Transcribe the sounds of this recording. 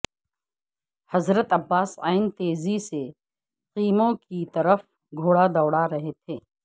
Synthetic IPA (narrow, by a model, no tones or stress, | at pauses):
hɐzɾət̪ɐbːaːsa̰ːɪnt̪eːzise | qiːmõkit̪ɐɾəf | ɡʱoːɽad̪ɐːɽaɾɐɦet̪ʰeː